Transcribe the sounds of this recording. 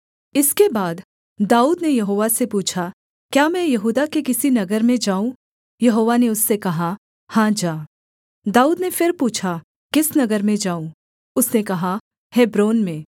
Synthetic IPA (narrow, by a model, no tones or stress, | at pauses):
ɪskebaːd̪ː | aːuːd̪nejɐɦoːʋasepuːt͡ʃʰa | kjaːmɛ̃jɐɦuːd̪akekɪsinɐɡəɾmẽd͡ʒaːũ | jɐɦoːʋaneʊsːekɐɦa | hãːd͡ʒaː | d̪aːuːd̪nefɪɾpuːt͡ʃʰa | kɪsnɐɡəɾmẽd͡ʒaːũ | ʊsnekɐɦa | hɛːbɾoːnmẽː